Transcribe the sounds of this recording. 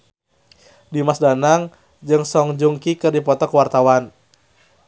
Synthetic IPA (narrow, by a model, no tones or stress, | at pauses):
dimasdanaŋ | d͡ʒɨŋsɔŋd͡ʒuŋkikɨrdipɔt̪ɔkəwart̪awan